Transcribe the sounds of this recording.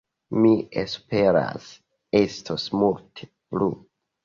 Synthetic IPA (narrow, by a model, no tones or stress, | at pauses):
miespe̞ɾa̰s | estʰosmultʰe̥ | plu